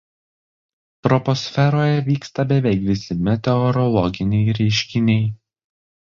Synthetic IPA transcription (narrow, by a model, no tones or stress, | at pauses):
t̪ɾɔpɔsʲfʲɛɾoːjɛʋʲiːkst̪ɐbʲɛʋʲɛɪkʋʲɪsʲɪmʲɛt̪ʲɛɔɾɔlˠɔɡʲɪnʲɛɪɾʲɛɪʃʲkʲɪnʲɛɪ